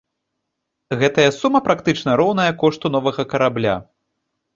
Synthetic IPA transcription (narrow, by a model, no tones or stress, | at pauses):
ɣɛt̪ɐjɐsumɐpɾakt̪ɨt͡ʂnɐɾɔwn̪ɐjɐkɔʂt̪un̪ɔvɐɣɐkɐɾablʲa̰